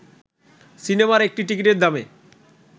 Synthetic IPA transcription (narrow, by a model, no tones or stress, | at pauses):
sinemaɾek̚ʈiʈik̬iʈeɾd̪ame